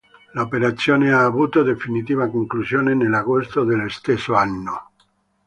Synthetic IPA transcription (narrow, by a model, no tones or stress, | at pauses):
laopeɾat̪sjoneaːβut̪od̪efinit̪iβakoŋklusjonenelaɣost̪od̪elest̪esoanːo